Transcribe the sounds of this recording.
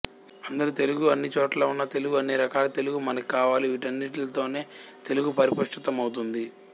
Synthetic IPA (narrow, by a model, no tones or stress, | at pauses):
ɐnd̪ɐɾut̪e̞luɡuɐnːit͡ʃo̞ːʈlaːunːɐt̪e̞luɡuɐnːiɾɐkaːlɐt̪e̞luɡumɐnɐkikaːʋaːliʋiʈɐnːiʈlɐt̪o̞ːne̞ːt̪e̞luɡupɐɾipɐʂʈit̪ɐmɐwt̪und̪i